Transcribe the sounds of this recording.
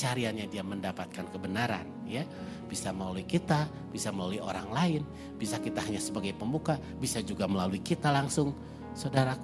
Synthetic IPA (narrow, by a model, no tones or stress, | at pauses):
t͡ʃaɾianɲadiaməndapat̪̚kankəbənaɾa̰nja | b̥isaməlaluikit̪a | b̥isaməlaluio̰ɾaŋlaɪn | b̥isakit̪aɦaɲasəbaɡajpəmbuka | bisad͡ʒuɡaməlaluikit̪alaŋsʊŋ | saudaɾak